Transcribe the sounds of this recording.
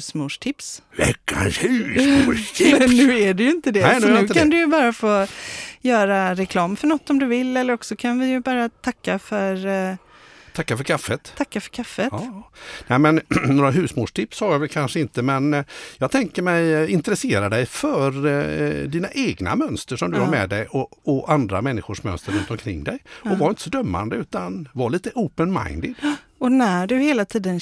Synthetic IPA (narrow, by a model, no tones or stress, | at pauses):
hsmuːʂʈʰɪpsvɛ̰kːa̰nʉsumɛnːʉ̟ːæɖɛjɪnt̪əd̪ɛɛnʉnj̪ɪʉ̟ːdkʰand̪ɵjbɑːɾafoːjœːɾaɾɛkʰlɑːmfœɳɔt̪ːɔmd̪ɵvɪlːɛlːəɾɔksɔkʰanvɪjɵbɑːɾat̪ʰakːafœɾ | t̪ʰakːafœɾkʰafːət̪ʰakːafœɾkʰafːət̪ːnɛmɛnnoːɾaɦʉ̟ːsmuːʂʈʰɪpshajavɛlkʰanʂəɪnt̪əmɛnjɑːɡ̚t̪ʰɛŋkəɾmɛjɪnt̪əɾɛseːɾad̪ɛjfœɾ | d̪iːnaʔeːɡna̰mœnst̪əʂɔmd̪ɵhaɾmɛd̪ɛjɔɔʔand̪ɾamɛnːɪɧʊʂmœ̰nst̪əɾɵnt̪ɔmkʰɾɪŋːd̪ɛjɔvaɾɪnt̪ə̥sɔd̪œmːa̰nd̪əʉ̟ːt̪anvaɭiːt̪əʔoːpənma̰ɪnd̪ɪd̪̥ | ɔnæɖɵheːlat̪ʰiːd̪ən